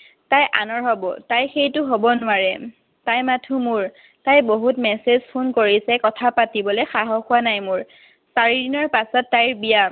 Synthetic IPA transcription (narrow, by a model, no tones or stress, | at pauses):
tajʔa̰nɔɹɦɔbɔ̰tajxejtʊɦobɔnʊwaɹɛ | tajmatʰumʊɹ | tajboɦutmɛsezpʰunkoɹisɛkɔtʰapatibɔlɛxaɦɔxʊwanajmʊɹ | saɹidinɔɹpasɔtːajɹbija